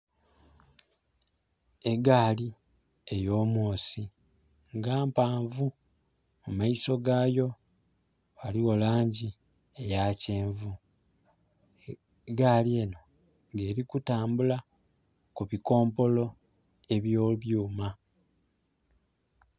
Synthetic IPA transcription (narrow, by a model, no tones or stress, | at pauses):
e̞ɡaːli | e̞jo̞ːmoːsi | ŋɡaːmpaːɱvu | mumaiso̞ɡaːjo̞ | βaliɣo̞laːɲɟi | ejaceːɱvu | ɡaːlie̞no̞ | ŋɡe̞ɾikutaːmbula | kuβiko̞ːmpo̞lo̞ | e̞βjo̞ːβjuːma